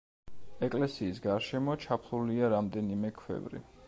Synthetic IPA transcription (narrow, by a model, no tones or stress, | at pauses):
ɛkʼlɛsiːs̬ɡaɾʃɛmɔt͡ʃʰapʰɾuliaɾamd̪ɛnimɛkʰwɛ̰vɾḭ